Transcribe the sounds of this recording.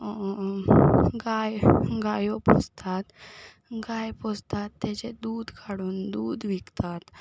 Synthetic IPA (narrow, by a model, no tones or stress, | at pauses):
ɡajɡajopɔ̰st̪ʰat̪ | ɡajpɔst̪at̪ːet͡ɕed̪uːd̪kʰaɽuːnd̪uːd̪ʋikt̪at̪